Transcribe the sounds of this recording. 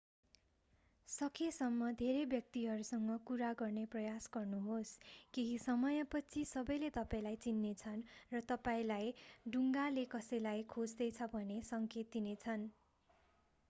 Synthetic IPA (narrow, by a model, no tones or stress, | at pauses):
sʌkʰesʌmːʌd̪ʱeɾebjʌk̚t̪iɦʌɾusʌŋɡʌkuɾaɡʌrneprʌjasɡʌrnuɦoskiɦisʌmʌjʌpʌt͡sʰisʌbʌjlet̪ʌpaĩlajt͡sinːet͡sʰʌnrʌt̪ʌpaĩlajɖuŋɡalekʌsʌjlajkʰod͡zd̪ʌjt͡sʰʌbʱʌnesʌŋket̪̚ːinet͡sʰʌn